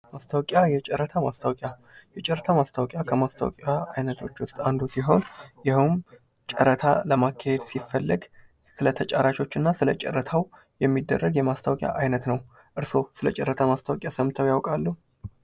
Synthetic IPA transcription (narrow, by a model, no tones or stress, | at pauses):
mast̪ʰawkʼjajɛt͡ʃʼɛɾːət̪ʰamast̪ʰawkʼja | jɛt͡ʃʼɛɾːət̪ʰamast̪ʰawkʼjakʰəmast̪ʰa̰w̰kʼjaajnət̪ʰo̞t͡ʃːwʊst̪ʼand̪osiɦo̞njɪhum | t͡ʃʼəɾət̪ʰaləmakʰːahed̪sifːəlːɨɡ | sɨlət̪ʰət͡ʃʼaɾat͡ʃo̞t͡ʃːɨnːasɨlət͡ʃʼɛ̰ɾːət̪ʰaw | jɛmːid̪ːərːəɡjɛmast̪ʰawkʼja̰ʔajnət̪nəw | ʔɨɾso̞sɨlət͡ʃʼɛɾːət̪ʰamast̪ʰawkʼjasəmt̪ʰəwjawkʼalːu